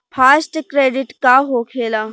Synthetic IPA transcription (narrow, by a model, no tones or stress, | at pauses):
pʰaːsʈkɾeːɖɪʈkaɦoːkʰeːla